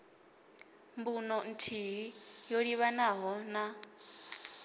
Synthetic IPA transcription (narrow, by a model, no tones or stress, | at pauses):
mbunɔn̩tʰiɦijoɺiβanaɦɔna